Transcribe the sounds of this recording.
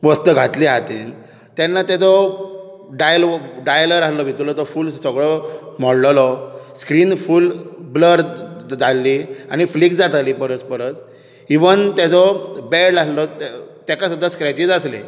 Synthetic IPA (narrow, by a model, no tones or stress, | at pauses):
ʋəst̪əɡʱat̪liɦat̪ḭːn | t̪anːat̪jat͡sɔ | ɖajlɖajləɾalɔbʱit̪lɔt̪ɔfuːlsəɡɭɔmɔɽllɔskɾiːnfuːlbləɾd͡zalːiaɽ̃iflikd͡zat̪liːpəɾət͡spəɾət͡s | iʋənt̪jat͡sɔbeɽlalɔt̪t̪jakasud̪ʱːaskɾat͡ɕid͡zaslḛ